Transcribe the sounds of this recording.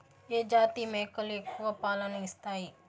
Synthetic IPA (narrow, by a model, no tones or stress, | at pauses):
eːd͡ʒaːt̪iːmekɐlekːuʋɐpaːlɐniist̪aːi